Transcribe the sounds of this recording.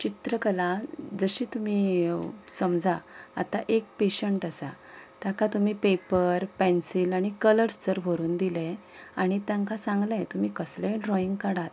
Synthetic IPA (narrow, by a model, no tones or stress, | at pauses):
t͡ɕit̪ɾəkəlad͡zəɕiːt̪um̤iːsəmd͡zʱaa̰t̪aʔek̚peɕəɳʈəsa̰ | t̪jãkat̪um̤iːpepəɾpɛ̃nsilaɽ̃ikələɾt͡səɾbʱoɾuːnd̪ilɛ | aɽ̃it̪jãŋkasãŋɡlɛ̃t̪um̤iːkəslẽɳɾɔiŋɡkəɽat̪